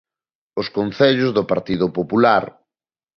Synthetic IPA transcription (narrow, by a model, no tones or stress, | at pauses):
ʊskonθɛʎʊzðʊpaɾt̪iðʊpopulaɾ